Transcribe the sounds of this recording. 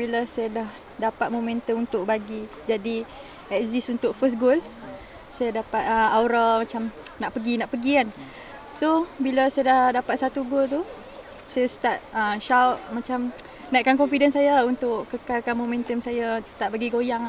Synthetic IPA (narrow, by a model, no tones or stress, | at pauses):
biləsajadah | dapat̪̚momɛ̃nt̪əmunt̪ʊʔ̚baɡi | d͡ʒadi | ɛk̚zisunt̪ʊʔfəsɡol | sajadapat̪̚əawɾamãt͡ʃamnaʔpəɡinaʔpəɡikan | sobiləsajədahdapat̪̚sat̪uɡolt̪u | sajast̪at̪̚əʃawt̪̚mãt͡ʃam | naʔkankɔnfidənsajaunt̪ʊʔkəkalkanmomɛ̃nt̪əmsajat̪aʔbaɡiɡojaŋ